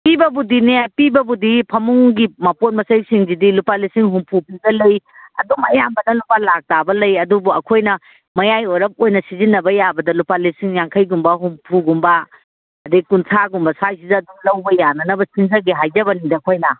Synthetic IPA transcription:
pibɐbudinepibɐbudipʰɐmuŋɡimɐpot̚mɐsɐjsiŋzidilupalisiŋɦumpʰupiɡɐlɐjɐ̰dumɐjambɐnɐlupalak̚tabɐlɐjɐdubuɐkʰojnɐ | mɐjajojɾɐp̚ojnɐsizinːɐbɐjabɐdɐlupalisiŋjaŋkʰɐjɡumbɐɦumpʰuɡumbɐ | ɐdikunsʰaɡumbɐsajsizɐːduŋlɐwbɐjanɐnɐbɐsinzɐɡiɦajd͡ʒɐβɐnidɐːkʰojnɐ

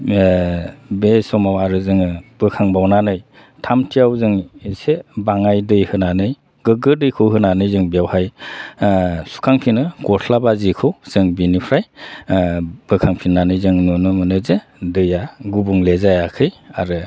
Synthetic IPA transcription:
besɔmawaɾɯzɯŋɯb̥ɯkʰaŋbawnanɯj | tʰamtʰijawzɯŋesebaŋajdɯjhɯnanɯj | ɡ̥ɯɡɯɾdɯjkʰɯwɦɯnanɯjzɯŋbijawhaj | su̥kʰaŋpʰinɯɡɔsʰlabazikʰɯwz̥ɯŋbinipʰɾaj | b̥ɯkʰaŋpʰinanɯjzɯŋnunɯmɯnɯze | dɯjaɡubuŋlezajakʰɯjaɾɯ

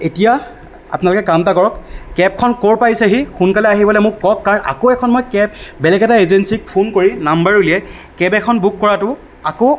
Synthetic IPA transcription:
etija | a̰pʊnalʊkɛkamtakɔɹɔkkɛp̚kʰɔnkoɹpajsɛɦixunkalɛaɦibɔlɛmʊkːɔkːaɹɔna̰koɛkʰɔnmojkɛbbɛlɛɡɛtaezensik̚pʰonkoɹinambaɹulijɛ | kɛbɛkʰɔnbukːɔɹatʊ | ako

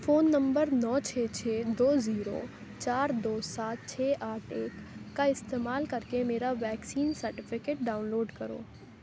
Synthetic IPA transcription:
foːnːɐ̃mbəɾnɔːt͡ʃʰeːt͡ʃʰeːd̪oːziːɾo̰ː | t͡ʃaːɾd̪oːsaːt̪̚t͡ʃʰeːʔaːʈʰeːkːaɪst̪eːmaːlkɐɾkemeːɾaʋɛːksiːnsɐɾʈɪfʰɪkeːʈ̚ɖaːʊnloːɖkɐɾo̰ː

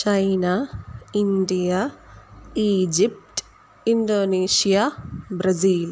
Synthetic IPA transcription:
t͡ʃɐjnainɖija | iːd͡ʒipʈ | inɖoːniːʂijabɾɐziːl

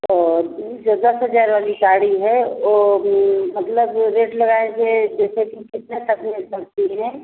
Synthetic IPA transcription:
ɔːɾd͡ʒod̪ɐsɦəd͡ʒaːɾʋaːlikaːɽiɦɛoːmɐt̪ləbɾeːʈlɐɡaːesed͡ʒɛːsekikɪt̪net̪ɐkʰmɪlsɐk̚t̪iɦɛ̃

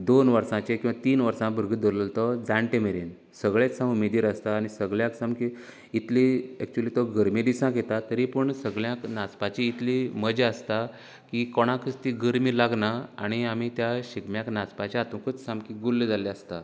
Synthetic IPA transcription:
d̪onʋəɾsãt͡ɕekĩw̃ʋat̪iːnʋəɾsãbʱəɾɡət̪̚d̪əɾləlt̪ɔd͡zãɳʈemeɾin | səɡɭet͡ssãmumed̪iɾəst̪aːɽ̃isəɡɭjãksãmkiː | t̪liɛk̚t͡ɕuəlit̪ɔɡəɾmid̪isãket̪at̪əɾipəɳsəɡɭjãknat͡spat͡ɕiːt̪ʰliməd͡ʑeəst̪a | kikɔɽ̃ãkʰəst̪iɡəɾmilaɡnaa̰ɽ̃iamit̪jaɕikmjaknat͡spat͡ɕaːt̪ũkət͡ssãmkiɡulːd͡zaleəst̪a

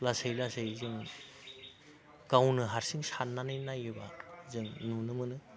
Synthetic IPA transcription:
lasejlasejzɯŋ | ɡ̥awnɯɦaɾsiŋsanːanɯjnajɯba̰zɯŋnunɯmɯnɯ

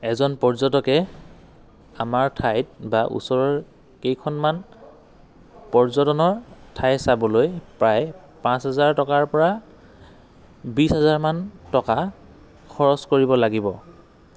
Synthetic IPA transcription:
ɛzɔnpɔɹzɔtɔkɛ | amaɹtʰajt̚baʔṵsɔɹɔɹ | kejkʰɔnman | pɔɹzɔtɔnɔɹtʰajsabɔlojpɹaj | pãsɦazaɹtɔkaɹpɔɹa | bisɦazaɹmantɔka | kʰɔɹɔskoɹibɔlaɡibɔ

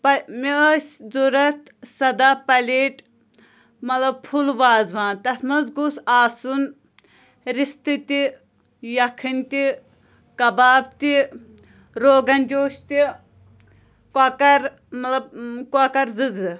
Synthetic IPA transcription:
pɐmiəːsʲzuɾɐt̪sɐd̪aːpɐleːʈ | mɐt̪lɐb̚pʰulʋaːzʋaːnt̪ɐsmɐzɡusaːsun | ɾist̪ɨt̪i | jɐkʰinʲt̪i | kɐbaːb̚t̪i | ɾoːɡɐnʲd͡ʒoːʃt̪i | kɐkɐɾ | mɐt̪lɐb̚kakɐɾzɨzɨ

